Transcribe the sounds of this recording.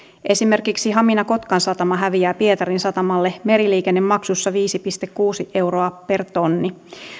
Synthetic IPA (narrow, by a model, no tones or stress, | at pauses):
ʔe̞sime̞rkiksiɦɑminɑko̞t̪kɑnsɑt̪ɑmɑɦæʋiæːpie̞t̪ɑɾinsɑt̪ɑmɑlːe̞me̞ɾiliːkenːe̞mmɑksusːɑʋiːsipist̪ekːuːsiʔe̞wro̞ɑpe̞rt̪o̞nːi